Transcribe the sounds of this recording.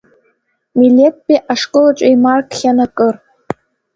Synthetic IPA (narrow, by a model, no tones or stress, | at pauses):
milʲepːiʔaʂkʼɨlaʈ͡ʂʷʼajmarkʰχʲanakʼɨr